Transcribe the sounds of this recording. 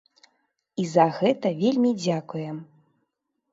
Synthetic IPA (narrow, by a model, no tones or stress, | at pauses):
izɐɣɛt̪ɐvʲelʲmʲid͡zʲakujɛm